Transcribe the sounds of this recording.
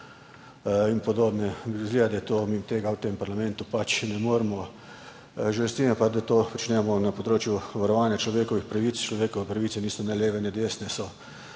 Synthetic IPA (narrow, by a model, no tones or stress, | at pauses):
inpɔd̪oːbnɛzɡleːad̪ɛt̪oːmit̪eːɡawt̪empaɾlamɛ̃nt̪upat͡ʃnɛmoːɾmɔ | ʒɛlst̪imɛpad̪at̪oːpɔt͡ʃnɛmɔnapɔd̪ɾoːt͡ʃjuʋaɾɔʋaːnjat͡ʃlɔʋeːkɔʋixpɾaʋit̪st͡ʃlɔʋeːkɔʋɛpɾaʋiːt̪sɛniːsɔnaleːʋɛnɛd̪eːsnɛsɔ